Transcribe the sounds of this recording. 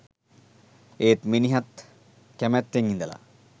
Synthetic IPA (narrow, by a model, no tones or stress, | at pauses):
eːt̪miniɦat̪ | kæmæt̪ːeŋind̪əla̰